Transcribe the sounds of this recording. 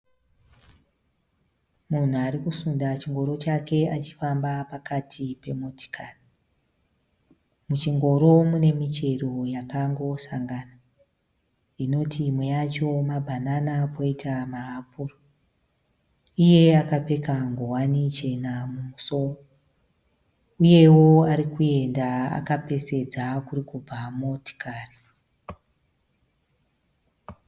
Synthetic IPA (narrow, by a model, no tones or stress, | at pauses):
mun̤uaɾikusundat͡ʃiŋɡo̞ɾo̞t͡ʃake̞at͡ʃi̥fambapakatʰipe̞moti̥kʰari | mut͡ʃiŋɡo̞ɾo̞mune̞mit͡ʃe̞ro̞jakaŋɡo̞saŋɡana | ino̞tʰimwe̞jat͡ʃo̞mabʱananapoitamaɦapʰuro | ije̞akape̞kaŋɡowanit͡ʃe̞namumuso̞ro | uje̞wo̞aɾikue̞ndaa̰kape̞se̞d͡zakurikub͡vamoti̥kʰaːri